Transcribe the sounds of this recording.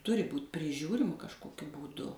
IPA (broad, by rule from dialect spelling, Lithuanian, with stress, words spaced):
ˈtʊrʲɪ ˈbuːtʲ pʲrʲɪˈʒʲuːrʲɪmɐ kɐʃˈkoːkʲʊ buːˈdʊ